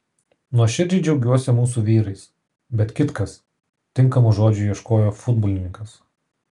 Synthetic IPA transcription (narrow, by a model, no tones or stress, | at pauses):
nuɔʃʲɪd͡ʒʲɪd͡ʒʲɛʊɡʲuɔsʲɛmuːsuʋʲiːɾɐɪs | bʲɛt̪kʲɪt̪kɐs | t̪ʲɪŋˑkɐmuʒoːd͡ʒʲujiɛʃkoːjoːfʊd̪bɔːlʲɪnʲɪŋkɐs